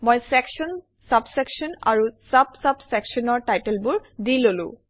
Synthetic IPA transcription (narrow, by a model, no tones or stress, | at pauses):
mojsɛkʃɔn | sabsɛkʃɔna̰ɹusabsabsɛkʃɔnɔɹtajtɛlbʊɹdilolʊ̰̃